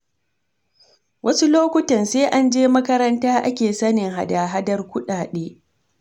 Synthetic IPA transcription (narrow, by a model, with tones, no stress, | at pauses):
wʔɐ˦su˦loː˦kʷʊ˦tɐ˨nseː˦ʔa˦nd͡ʒeː˦mɐ˦kɐ˦ɾɐ˦ntaː˦ʔa̰˦kʲeː˨sɐ˦nɪ˨ŋɦa̰˨daː˨ɦa˦dɐ˦rkʷʊ˦ɗaː˨ɗeː˦